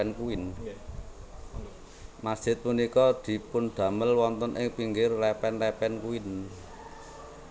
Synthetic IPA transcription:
ɛnkuɪn | mad̥ʒ̥ɪ̤t̪̚munikɔd̪̥i̤pʊnɖ̪̥ä̤məlwɔnt̪ɔnʔɪ̰ŋpiŋɡɪrlɛpɛnlɛpɛnkuɪn

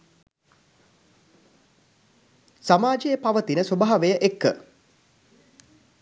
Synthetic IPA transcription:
samaːd͡ʒejəpaʋət̪inəsobaɦaʋejəʔekːə̰

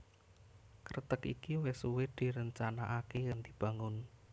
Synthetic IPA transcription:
kəɾt̪əkḭkiwɪsuwɪd̪̥i̤ɾəɲt͡ʃanaʔakejaŋd̪̥i̤b̥ä̤ŋʊn

